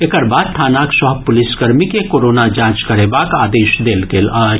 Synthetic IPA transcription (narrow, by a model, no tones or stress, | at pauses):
ekəɾbaːd̪̚t̪ʰaːnaksəɦpʊlɪskəɾmikekoɾonad͡ʒãːt͡ʃkəɾebaːkaːd̪eːʃd̪eːlɡela